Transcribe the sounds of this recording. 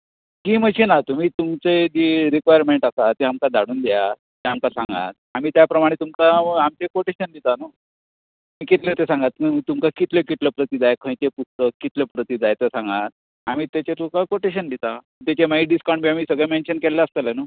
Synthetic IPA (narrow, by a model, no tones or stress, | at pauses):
kiːməɕenat̪um̤iːt̪umt͡sed͡ʑiɾikʋajəɾmeɳʈasat̪eamkad̪ʱaɽuːnd̪ja | t̪eamkasãŋɡa̰t̪̚amiːt̪japɾəmaɽ̃et̪umkaamt͡ɕekoʈeɕənd̪it̪anu | miːkit̪let̪esãŋɡat̪məmit̪umkakit̪lekit̪ləpɾət̪id͡zajkʰə̃jt͡ɕepust̪əkːit̪lepɾət̪id͡zajt̪esãŋɡat̪̚ | amiːt̪et͡ɕet̪ukakoʈeɕ̬ənd̪it̪a | t̪et͡ɕemaiɖiskawɳbiamiːsəɡɭjamenɕənkɛlːeəst̪əlanu